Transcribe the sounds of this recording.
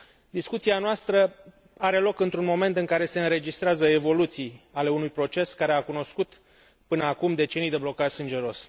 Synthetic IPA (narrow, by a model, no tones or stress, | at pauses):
d̪iskut̪sianoast̪ɾə | aɾe̞lo̞kɨnt̪ɾunmo̞me̞nt̪ɨŋkaɾe̞se̞ɨnɾe̞d͡ʒist̪ɾeazəe̞vo̞lut̪sijale̞unujpɾo̞t͡ʃe̞skaɾe̞akuno̞skut̪ | pɨnəakumd̪e̞t͡ʃe̞nijd̪e̞blo̞kaʒsɨnd͡ʒe̞ɾo̞s